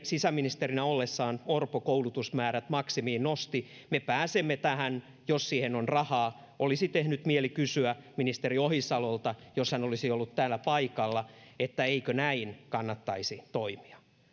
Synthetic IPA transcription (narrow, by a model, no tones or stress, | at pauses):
sisæminist̪erinæolːesːɑːnorpokoulut̪usmæːɾæt̪mɑksimiːnnost̪i | mepæːsemːet̪æhæn | jossiːhenonrɑhɑː | ʔolisit̪ehnyt̪mielikysyæminist̪eɾiohisɑlolt̪ɑjoshænolisiolːut̪t̪æːlːæpɑikɑlːɑet̪ːæeikønæinkɑnːɑt̪ːɑisit̪oimi̥ɑ̥